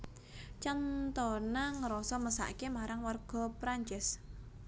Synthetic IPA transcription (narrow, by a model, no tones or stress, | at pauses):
t͡ʃant̪ɔnaŋəɾɔsɔməsa̰ʔkemaɾaŋwarɡ̥ɔ̤pɾaɲt͡ʃɛs